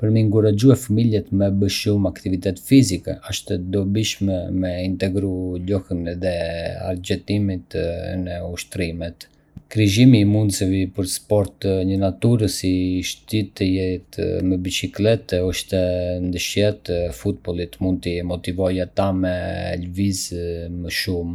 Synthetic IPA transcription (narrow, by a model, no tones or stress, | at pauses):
pəɾmɛŋɡuɾad͡ʒuɛfəmilɛt̪mɛbəʃumakt̪ivit̪ɛt̪fizikɛ̰ɔʃt̪ɛd̪ɔbiʃmɛmɛint̪ɛɡɾulɔhənðɛa̰ɾd͡ʑɛt̪imit̪nɛuʃt̪ɾimɛt̪ | kɾiʒimiːmund̪səvipəɾspɔɾt̪ɲənat̪uɾəsiʃt̪it̪əjɛt̪məbit͡ʃiklɛt̪ɛɔʃt̪ɛnd̪əʃjɛt̪fut̪̚bɔlˠit̪mund̪̚t̪imɔt̪ivɔjat̪amɛlvizməʃum